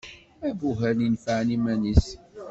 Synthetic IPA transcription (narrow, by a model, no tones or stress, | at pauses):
ævuɦælinfʕnimænis